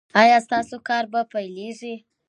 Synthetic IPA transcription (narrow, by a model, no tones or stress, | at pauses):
ɑjɑst̪ɑsokɑɾbapajleʐi